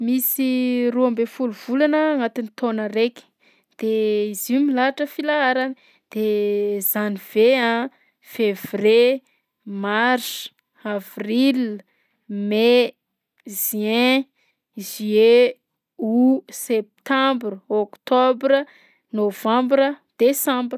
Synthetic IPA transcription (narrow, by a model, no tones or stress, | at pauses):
misiruambefuluvulanəːŋat̪init̪onəɾeki̥ | d̪̥eizimilaaʈ͡ʂəfilaaɾan | d̪̥ezaniv̥eã | fevre | marsu̥ | avril | me | ʒɛ̃ | zie | usep̚t̪ãmbrokt̪obɾə | novãmbɾəd̪̥esãmbr